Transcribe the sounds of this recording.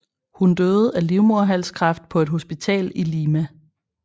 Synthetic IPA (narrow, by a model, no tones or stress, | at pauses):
hund̥øːð̩ˠæliʊmo̝ɐ̰ɦæl̰skʰʁɑ̈fd̥̚pʰɒ̽e̝d̥ɦo̝sb̥it͡sʰɛ̰ːliliːmæ